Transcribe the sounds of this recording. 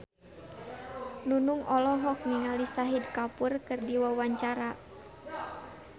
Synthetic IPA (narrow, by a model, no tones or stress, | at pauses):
nunuŋɔlɔɦɔk̚miŋalisaɦidkapʊrkɨrdiwawaɲt͡ʃaɾa